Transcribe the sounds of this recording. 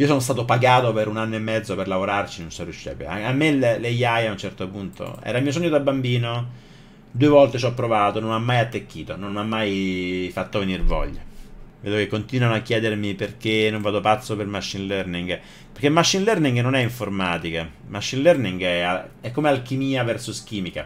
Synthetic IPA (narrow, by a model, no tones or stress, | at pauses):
iːosoːnos̬t̪aːt̪opaɡaːt̪opeɾunanːoemːɛd̪zːoperlavoɾart͡ʃinonsoruʃːɛ̰ːpḛa̰amːelelejajaunt͡ʃɛrt̪opunt̪o̰ɛ̰ːɾamiːosɔɲːod̪abːambiːno | d̪uevɔlt̪et͡ʃɔpːɾovaːt̪ononamːajat̪ːekːiːt̪ononmamːajfat̪ːovenirvɔ̰ʎːa̰veːd̪okekːont̪inwanoakːjɛːd̪ermiperkenːõɱvaːd̪opat̪sːopermaʃːinlɛrniŋɡ | perkemaʃːinlɛrniŋɡnonɛiɱformaːt̪ike | maʃːinlɛrniŋɡɛa̰ɛkːomealkimiːavɛrsosk̟iːmika